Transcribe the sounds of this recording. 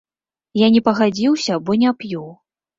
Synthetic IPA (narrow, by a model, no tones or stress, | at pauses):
janʲɛpɐɣad͡zʲiwsʲɐbɔnʲapjuw